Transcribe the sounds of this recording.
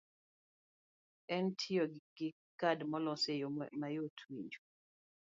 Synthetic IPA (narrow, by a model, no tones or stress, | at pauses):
ɛntʰioɡ̥ɪ | kadmɔlɔsejomajotʰwiɲd͡ʒo